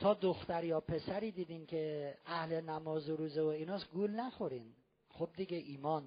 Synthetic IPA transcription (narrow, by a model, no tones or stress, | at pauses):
t̪ʰɒːd̪oxt̪æɾjɒːpʰe̞sæɾiːd̪iːd̪inkʲʰeæhlenæmɒːzoɾuːzevoiːnɒːsɡulnæxoɾin | xob̚d̪iɡʲeʔiːmɒːn